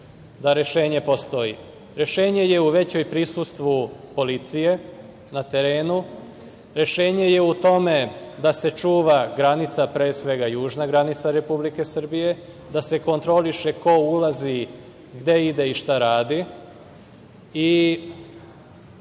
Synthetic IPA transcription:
d̪aɾe̞ʃe̞ːɲe̞po̞st̪o̞jḭ | ɾe̞ʃe̞ːɲe̞je̞uʋe̞t͡ɕo̞jpɾisust̪ʋupo̞lit̪sije̞ | nat̪e̞ɾe̞ːnu | ɾe̞ʃe̞ːɲe̞je̞ut̪o̞me̞d̪ase̞t͡ʃuːʋaɡɾanit̪sapɾe̞ːsʋe̞ɡajuːʒnaɡɾanit̪saɾe̞publike̞sr̩bije̞ | d̪ase̞ko̞nt̪ɾo̞liʃe̞ko̞ulazi | ɡd̪e̞id̪e̞iʃt̪aɾaːd̪i | i

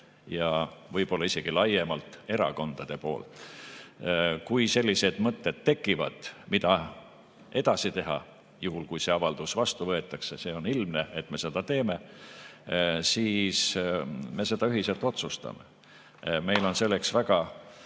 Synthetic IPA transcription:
jɑvɤjpo̞lːɑise̞ɡ̥ilɑjemɑlt̪ˑe̞ɾɑ̰ko̞nd̪̥ɑd̪̥e̞po̞̰ːlt̪ˑ | kujse̞lʲːise̞d̪̥mɤt̪ˑːe̞d̪̥t̪ːe̞kːˑivɑ̰d̪̥mid̪̥ɑ | ʔe̞d̪̥ɑsit̪e̞ɦɑ̰ | juɦulkujse̞ɑvɑld̪̥usvɑst̪uvɤ̞e̞t̪ːˑɑksese̞o̞nilmnee̞t̪ːme̞se̞d̪̥ɑt̪e̞ːme̞ | siːs | me̞se̞d̪̥ɑyɦise̞lt̪ˑo̞t̪sust̪ɑ̰me̞̰ | me̞jlo̞nse̞lːe̞ksvæɡ̥ɑ

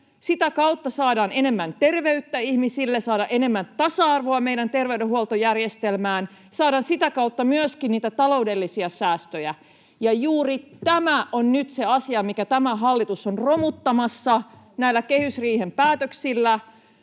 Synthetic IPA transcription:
sit̪ækɑut̪ːɑsɑːdɑːnene̞mːænt̪erʋe̞yt̪ːæihmisilːesɑːɾɑʔene̞mːænt̪ɑsɑɑrʋoɑmeiɾænt̪erʋeydehuolt̪ojærjest̪elmæːn | sɑːdɑːnsit̪ækɑwt̪ːɑmyøskinniːt̪æt̪ɑlo̞udelːisiɑsæːst̪øjæ | jɑjuːrit̪æmæʔonnyt̪seɑsiɑmikæt̪æmæɦɑlːit̪usonromut̪ːɑmɑsːɑ | næilːækehysriːhempæːt̪øksilːæ

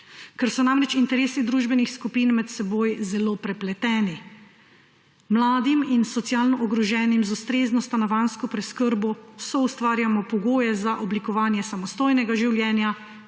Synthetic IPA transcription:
kɛɾsɔnamɾɛt͡ʃint̪ɛɾeːsid̪ɾuːʒbɛnixskupiːnmɛt̪sɛbojzɛloːpɾɛplɛt̪ɛːni | mlaːd̪iminsɔt̪sjaːlnɔʔɔɡɾɔʒɛːnimzust̪ɾeːznɔst̪anaʋanskɔpɾɛskəɾbɔsɔust̪ʋaːɾjamɔpɔɡoːjɛzaʔɔblikɔʋaːnjɛsamɔst̪oːjnɛɡaʒiwljɛːnja

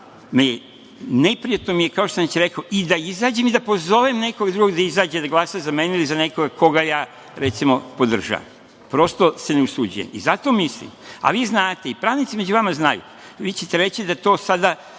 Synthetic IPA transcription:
meje | nepɾijat̪nomijekaoʃt̪osanet͡ɕɾekoʔid̪aizaːd͡ʑemid̪apo̞zo̞ʋemne̞koɡad̪ɾuɡo̞ɡd̪aizaːd͡ʑed̪aɡlˠasazameːneilizane̞koɡako̞ɡajaː | ɾet̪simo̞pod̪r̩ʒa̰ːʋa̰m | pɾo̞st̪o̞se̞neusud͡ʑṵjḛmḭzat̪o̞mislḭma̰ʋiːznaːt̪e̞ipɾaːʋnit̪sime̞d͡ʑuʋamaznajṵ | ʋiːt͡ɕet̪eɾe̞t͡ɕid̪at̪o̞ːsad̪a

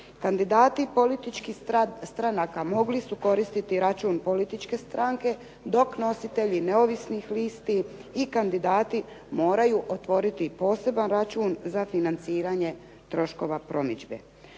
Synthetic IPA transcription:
kand̪id̪aːt̪ipo̞lit̪it͡ʃkist̪ɾanakamo̞ɡlisuko̞ɾist̪it̪iɾat͡ʃuːnpo̞lit̪it͡ʃke̞st̪ɾaŋke̞ | d̪o̞kno̞sit̪e̞ʎine̞o̞ʋisnixliːst̪iːkand̪id̪aːt̪i | mo̞ːɾajuʔot̪ʋo̞ɾit̪ipo̞ːse̞banɾat͡ʃuːnzafinant̪siːɾaɲe̞ | t̪ɾo̞ʃko̞ʋapɾo̞mid͡ʒbḛ

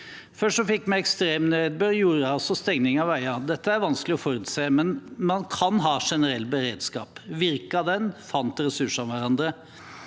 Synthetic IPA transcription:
fœʂsɔfɪkːmæɪɛkst̪ɾeːmnøːd̪̚bøɾjuːɾəɑlsɔst̪ɛŋnɪŋɑʋæɪɑd̪ɛt̪ːəæɾʋɑnsklɪɔfɔɾʉt̪seːmɛnmɑnkʰɑnɦɑːʂɛnəɾɛlːbəɾeːd̪skɑ̰ːpʋɪɾkɑd̪ɛnfɑnt̪ɾɛsʉʂɑʋʋæɾɑnd̪ɾə

